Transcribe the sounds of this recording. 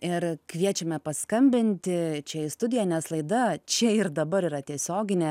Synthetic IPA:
ɪɾkʋʲiɛt͡ʃʲɛmʲɛpɐskɐmʲbʲɪnʲt̪ʲɪt͡ʃʲɛɪst̪ʊd̪ʲɪjɛnʲɛslˠɐɪd̪ɐt͡ʃʲɛɪrd̪ɐbɐɾiːɾɐt̪ʲiɛsʲoːɡʲɪnʲeː

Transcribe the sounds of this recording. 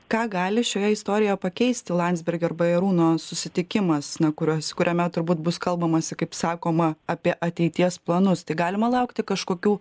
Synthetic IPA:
kɑːɡɑːlʲɪʃʲoːjɛɪst̪oːɾʲɪjɛjpɐkʲɛɪsʲt̪ʲɪlˠɑnʲd̪zbʲɛɾʲɡʲoːrbɐjɛɾuːnoːsʊsʲɪt̪ʲɪkʲɪmɐsnɐkʊɾʲuɔskʊɾʲɛmʲɛt̪ʊɾbuːt̪bʊskɐlˠbɐmɐsʲɪkɐɪpsɑːkoːmɐɐpʲiɛʔɐt̪ʲɛɪt̪ʲiɛsplˠɐnʊst̪ɐɪɡɑːlʲɪmɐlˠɐʊkt̪ʲɪkɐʃkoːkʲuː

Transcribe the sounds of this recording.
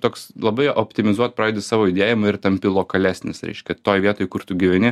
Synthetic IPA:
t̪oːkslˠɐbɐɪʔoːpʲt̪ʲɪmʲɪzuɔt̪spɾɑːd̪ʲɪsɑːʋoːɪd̪ʲeːjɪmɐɪɾt̪ɐmʲpʲɪlˠoːkɐlʲæːsʲnʲɪsɾʲɛ̰ɪʃʲkʲɛt̪oːjʋʲiɛt̪oːjkʊɾt̪ʊɡʲɪʋʲɛnʲɪ

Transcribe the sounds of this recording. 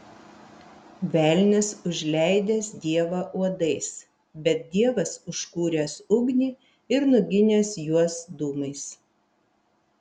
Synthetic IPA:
ʋʲæˑlʲnʲɪsʊʒʲlʲɛɪd̪ʲeːsd̪ʲiɛʋɑʔuɔd̪ɐɪs | bʲɛt̪̚d̪ʲiɛʋɐsʊʃkuːɾʲɛːsʊɡnʲiː | ɪɾnʊɡʲɪnʲeːsjuɔsd̪uːmɐɪs

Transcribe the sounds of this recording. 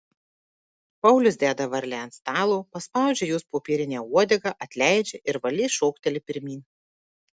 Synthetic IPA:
pɐʊlʲʊsd̪ʲæːd̪ɐʋɐɾʲlʲænst̪ɑːlˠuːpɐspɑˑʊd͡ʒʲɛjuːspoːpʲiːɾʲɪnʲɛːuɔd̪ʲɛɡɐʔɐt̪ʲlʲæˑɪd͡ʒʲɛʔɪɾʋɐlʲiːʃɔʊkt̪ʲɛlʲɪpʲɪɾʲmʲiːnʲ

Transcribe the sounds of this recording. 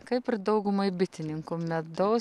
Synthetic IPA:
kɐɪpɪɾd̪ɐʊɡʊmɐɪbʲɪt̪ʲɪnʲɪŋkumʲɛd̪oː

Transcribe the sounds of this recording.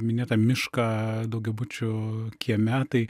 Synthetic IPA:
mʲɪnʲeːt̪ɐmʲɪʃkɐːd̪ɐʊɡʲɛbʊt͡ʃʲʊkʲiɛmʲæːt̪ɐɪ

